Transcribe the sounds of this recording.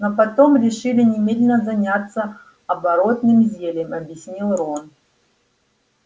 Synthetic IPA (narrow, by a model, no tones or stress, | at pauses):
nopɐt̪o̞mɾʲɪʂɨlʲɪnʲɪmʲed̪lʲɪnəzɐnʲat̪sːə | ɐbɐɾot̪nɨmzʲelʲɪmɐbʲjɪsʲnʲilˠɾon